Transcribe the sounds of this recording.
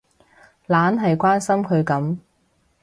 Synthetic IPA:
laː˨˥nɦɐ˨jkʷaː˥nsɐ˥mkʰɵ˨˧ɥkɐ˨˥m

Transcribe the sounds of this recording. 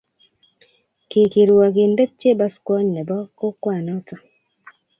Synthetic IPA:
kɪ˨ki˨ɾu˨wa˨ɡɪ˨nde˦t̚tje˦ba˦skwɔ˦ɲnɛ˨bɔ˦ko˦kwa˦˨nɔ˦tɔ˨

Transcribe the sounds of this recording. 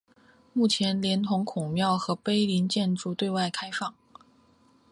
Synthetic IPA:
mu˥˩t͡ɕʰjɛ˧˥nljɛ˧˥nt̪ʰʊ˧˥ŋkʰʊ˨˩ŋmjɑ˥˩ʊxɤ˧˥pe˥ɪli˧˥nt͡ɕjɛ˥˧nʈ͡ʂu˥˧t̪we˥˧ɪwa˥˩ɪkʰa˥ɪfɑ˥˩ŋ

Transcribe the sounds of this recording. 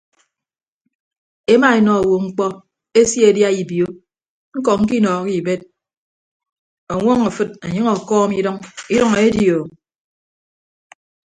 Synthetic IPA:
e˦ma˦e˨nɔ˨wo˨ŋ͡m̩˦k͡pɔ˦ | e˦sje˨dja˦i˨bjo˦ | ŋ̩˦kɔ˨ŋ̩˦k̬i˦nɔː˨ki˦˨be˦t̚ | ɔ˨ŋʷɔ˦ŋa˨fɨ˦t̚a˨ɲɨ˦ŋɔ˨kɔː˦mi˦dɔ˦ŋi˦ɾɔ˦ŋa˨e˦djo˨

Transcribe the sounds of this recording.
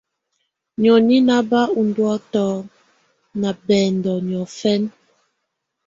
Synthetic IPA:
ɲɔ˨ni˦na˦ba˦u˨ndwɔ˦tɔ˦ | na˨bɛː˨ndɔ˨ɲ˨ɔ˨fɛ˦n

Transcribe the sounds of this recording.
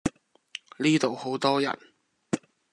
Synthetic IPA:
liː˥t̪o˨who˨˥wt̪ɔː˥jɐ̰˨˩n

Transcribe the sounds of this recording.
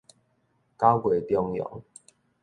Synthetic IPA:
ka˦wkwe˨˩t̪jɔ˥˧ŋjɔ̰˨˦ŋ

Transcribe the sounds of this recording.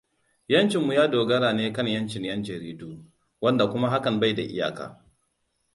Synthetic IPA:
jɐ˦nt͡ʃɪ˨mːu˨jaː˦doː˨ɡɐ˦ɽaː˨neː˦kɐ˦˨ɲjɐ˦nt͡ʃɪ˨ɲjɐ˦nd͡ʒɐ˨ɾiː˦duː˦ | wɐ˦nda˨kʷʊ˦ma˦ɦa˦kɐ˨mba˦˨jda˨ʔɪ̰˦ja̰ː˨ka̰ː˨

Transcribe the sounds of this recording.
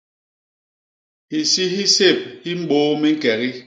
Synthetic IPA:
i˨si˦ɦi˦se˦˨p̚hi˦m̩˦ɓoː˦mi˦ŋ̩˦kɛ˨ɣi˦

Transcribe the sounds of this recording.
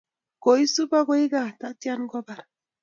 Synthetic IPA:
ɡ̥o˨jsu˦ba˦ɡo˦jɡa˦˨ta˦ti˦a˦nɡɔ˦ba˨ɾ

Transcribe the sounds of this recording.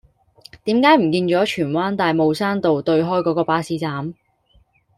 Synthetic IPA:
t̪iː˨˥mkaː˨˥jm̩˨˩kiː˧nt͡ʃɔː˨˥t͡ʃʰyː˨˩nwaː˥nt̪aː˨jmo˨wsaː˥nt̪o˨wt̪ɵ˧ɥɦɔː˥jkɔː˨˧˥kɔː˧paː˧siː˨˥t͡saː˨˥m

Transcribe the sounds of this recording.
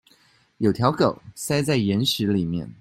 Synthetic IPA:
jo˨˩ʊt̪ʰjɑ˧˥ʊko˨˩˦ʊsa˥ɪt͡sa˥˩ɪjɛ˧˥nʂɻ̩˧˥li˨˩mjɛ̰˥˩n

